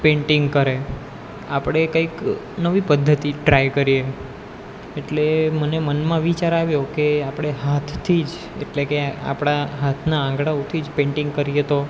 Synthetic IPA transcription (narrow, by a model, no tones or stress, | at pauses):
pẽɳʈiŋɡkəɾe | apɽ̃ekəik | nəʋipəd̪ʱːət̪iʈɾajkəɾije | eʈlemənemənmãʋit͡ʃaɾaʋjokeapɽ̃eɦat̪ʰːid͡ʒ | ḛʈlekea̰pɽ̃aɦat̪ʰnaãŋɡɽaot̪ʰid͡ʒpẽɳʈɪ̃ŋɡ̚kəɾijet̪o